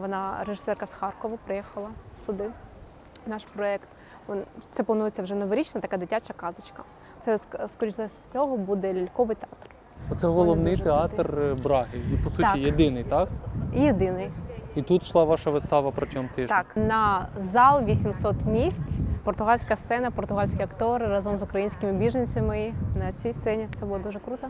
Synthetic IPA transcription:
ʋɔnɑɾeʒɪ̥sɛrkɐsxɑrkɔʋɐpɾɪjɛxɐlˠɐsʊd̪ɪ | nɑʃpɾɔɛkt̪ | t̪ɛplˠɐnujet͡sʲːɐwʒɛnɔʋɔɾʲit͡ʃnɐt̪ɐkɑd̪ɪtʲat͡ʃɐkɑzɪt͡ʃkɐ | t̪sɛskɔɾʲit͡ʃlˠɐsʲt͡sʲɔɦɔbud̪ɛlʲilʲkɔʋɪjt̪eɑt̪r | ɔt̪sɛɦɔlˠɔʋnɪjt̪eɑt̪rbɾɑɦɪipɔsutijed̪ɪnɪjt̪ɑkjed̪ɪnɪjit̪ut̪ʃlˠɑʋɑʃɐʋɪst̪ɑʋɐpɾɔtʲɔmt̪ɪɑknɐzɑlˠʋʲisʲimsɔt̪mʲisʲt͡sʲpɔrt̪ʊɦɑlʲsʲkɐst̪sɛnɐpɔrt̪ʊɦɑlʲsʲkʲiɐkt̪ɔɾɪrɑzɔmzʊkɾɐjinʲsʲkʲɪmɪbʲiʒɐnʲt͡sʲɐmɪnɐt͡sʲijst̪ɛnʲit̪sɛbʊlˠɔd̪uʒɛkɾut̪ɐ

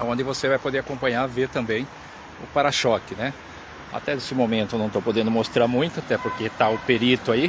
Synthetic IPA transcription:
õnd̪ɪvosevajpod̪eɾakõmpɐ̃ɲaɾveɾt̪ɐ̃mbẽj̃ | ʊpaɾaʃɔkɪnɛ | a̰t̪ɛd̪esɪmomẽnt̪ʊnɐ̃w̃t̪owpod̪ẽnd̪ʊmost̪ɾaɾmũj̃t̪ʊat̪ɛpoɾket̪aʊpeɾit̪ʊai

